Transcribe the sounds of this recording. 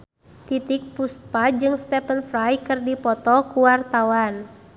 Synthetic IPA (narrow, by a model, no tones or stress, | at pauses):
t̪it̪ik̚puspad͡ʒɨŋst̪ɛpənfɾajkɨrdipɔt̪ɔkuwart̪awan